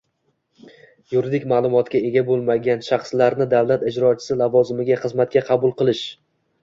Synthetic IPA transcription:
jʊɾɪd̪ɪkʲmaːlˠʊmɒt̪kʲae̞ɡʲabolˠmaɡʲanʃaχslaɾnɪd̪avlˠat̪ɪd͡ʒɾɒt͡ʃʰɪ̥sɪlavɒzɪmɪɡʲaχɨzmat̪̚kʲaqʰɑbʊlˠqɨlˠɪʃ

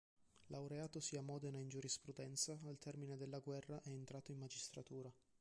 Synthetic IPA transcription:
lawɾeaːt̪osiamɔːd̪enaind͡ʒuɾispɾud̪ɛnt̪saːlt̪ɛrmined̪elːaɡwɛrːaʔɛːnt̪ɾaːt̪oimmad͡ʒist̪ɾat̪uːɾa

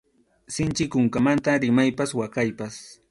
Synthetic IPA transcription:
sɪnt͡ʃɪkʊŋkamant̪aɾɪmajpaswakajpas

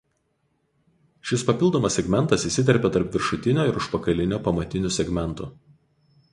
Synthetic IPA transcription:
ʃʲɪspɐpʲɪlˠd̪oːmɐsʲɛɡmʲɛnˑt̪ɐsiːsʲɪt̪̬ʲɛɾʲpʲɛt̪ɐɾpʲʋʲɪɾʃʊt̪ʲɪnʲoːɪɾʊʃpɐkɐlʲɪnʲoːpɐmɐt̪ʲɪnʲʊsʲɛɡmʲɛnˑt̪ʊ

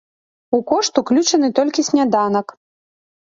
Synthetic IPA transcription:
ukɔʂt̪uklʲut͡ʂɐnɨt̪ɔlʲkʲisʲnʲad̪anɐk

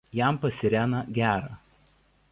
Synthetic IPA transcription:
jæˑmpɐsʲɪɾʲæːnɐɡʲæːɾɑ

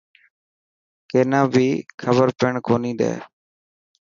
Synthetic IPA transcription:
keːnãːbʱiːkʰəbəɾpɪɳkoːniːɗ̪ḛː

